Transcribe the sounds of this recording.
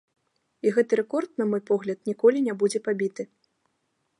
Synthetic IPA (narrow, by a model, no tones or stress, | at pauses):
iɣɛt̪ɨɾɛkɔrt̪̚nɐmɔjpɔɣlʲɐt̪̚nʲikɔlʲinʲabud͡zʲɛpabʲit̪ɨ